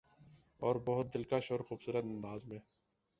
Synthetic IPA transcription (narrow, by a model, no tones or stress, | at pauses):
ɔːɾbɐɦʊt̪̚d̪ɪlkaʃoːɾxuːbsuːɾət̪ɐ̃nd̪aːzmẽː